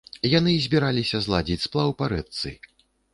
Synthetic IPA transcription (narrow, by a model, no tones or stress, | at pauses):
janɨzʲbʲiɾalʲisʲɐzlˠad͡zʲit͡sʲsplˠawpaɾɛt̪sɨ̰